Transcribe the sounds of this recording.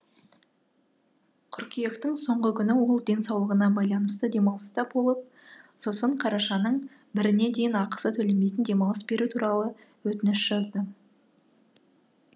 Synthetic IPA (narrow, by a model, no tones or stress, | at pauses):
qʰʏɾkʲije̞kt̪ɪŋso̞ɴʁəkʲʰʏnɪwo̞lˠd̪e̞nsɑwlˠəʁənɑbɑjlˠɑnəst̪əd̪e̞mɑlˠəst̪ɑpbo̞lˠəp̚ | so̞səɴqʰɑɾɑʃɑnəɴ | bɪɾɪne̞d̪e̞jɪnɑqə̥sət̪ʰɵle̞mejt̪̬ɪnd̪e̞mɑlˠəsbe̞ɾut̪ʰuɾɑlˠə | wɵt̪ɪnɪʃʒ̥ɑzd̪ə